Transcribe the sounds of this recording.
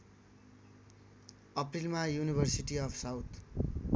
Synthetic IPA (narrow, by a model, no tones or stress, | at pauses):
ʌprilmajunibʱʌrsiʈiʌpsawt̪ʰ